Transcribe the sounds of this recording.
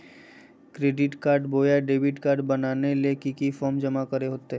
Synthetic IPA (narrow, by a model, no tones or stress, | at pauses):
kɾeːɖɪʈkaːɾɖboːjaɖeːbɪʈkaːɾɖbɐnaːnelekikifɔːɾmd͡ʒɐmakəɾeɦoːt̪eɦ